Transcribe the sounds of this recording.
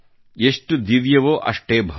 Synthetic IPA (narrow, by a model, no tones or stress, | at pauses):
eʂʈud̪iʋjɐʋoːʔɐ̰ʂʈeːbʱɐ